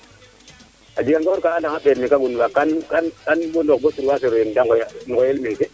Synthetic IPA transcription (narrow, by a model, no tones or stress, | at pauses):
ad͡ʒiɡanɡoɾkaandaŋaɓeɾmikaɡunuwakankankanbondokbotuɾwas̬eɾjendaŋnɡojelmeke